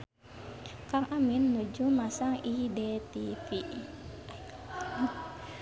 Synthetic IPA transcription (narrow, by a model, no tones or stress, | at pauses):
kaŋʔaminːud͡ʒumasaŋidɛt̪ipi